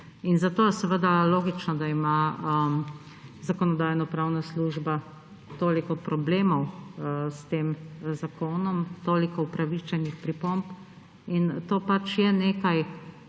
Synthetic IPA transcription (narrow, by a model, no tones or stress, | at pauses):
inzat̪oːjɛsɛʋəd̪aloːɡit͡ʃnɔd̪aimaə | zakɔnɔd̪ajnɔpɾaːwnasluʒba | t̪oːlikɔpɾɔbleːmɔwst̪eːmzakʰoːnɔmt̪oːlikɔupɾaʋit͡ʃɛnixpɾipomp | int̪oːpat͡ʃjɛneːkaj